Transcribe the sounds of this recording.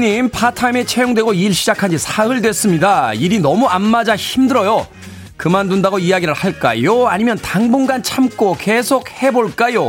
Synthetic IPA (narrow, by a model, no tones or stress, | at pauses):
ɲimpʰatʰamet͡ɕʰejoŋdwe̞ɡoiːɭɕʰid͡ʑakʰand͡ʑisʰaɯɭdwe̞s͈ɯmɲidaiɾinʌmuanːad͡ʑaçimdɯɾʌjo | kɯmandundaɡoijaɡiɾɯɭhaɭk͈a̰joaɲimjʌntaŋbuŋɡant͡ɕʰamk͈oke̞sʰok̚he̞boɭk͈ajo